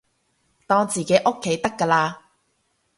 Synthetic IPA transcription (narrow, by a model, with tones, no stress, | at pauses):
t̪ɔː˧ŋt͡siː˨˩ke˨˥jʔo˥kʰːe˨˥jt̪ɐ˥kːɐː˧laː˧